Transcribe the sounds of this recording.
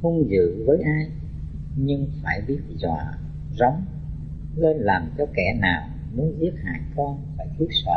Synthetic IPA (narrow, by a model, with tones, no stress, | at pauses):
hu˧ŋ͡mzɨ̰˧˨vəː˨˦jʔaː˧j | ɲɨ˧ŋfaː˧˩jɓi˦˥ət̚zwa̰ː˧˨ | zɔ˨˦wŋ͡m | le˧nlaː˨˩mt͡ɕɔ˧kɛ˧˩naː˨˩w | nɨ˨˦zi˦˥ət̚ha̰ː˧˩˨jkɔ˧nfaː˧˩jt̪ʰi˦˥ət̚sə̰ː˧˨˩